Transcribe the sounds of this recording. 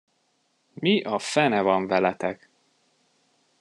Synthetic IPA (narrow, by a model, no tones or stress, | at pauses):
miʔɒfɛnɛvɒɱvɛlɛt̪ɛk